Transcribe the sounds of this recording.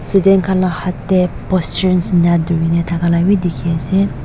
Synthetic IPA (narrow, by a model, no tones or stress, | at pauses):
sud̪enkʰalahat̪ɛpɔstənsɲad̪ujinet̪ʰakʰalawiʔd̪ikʰese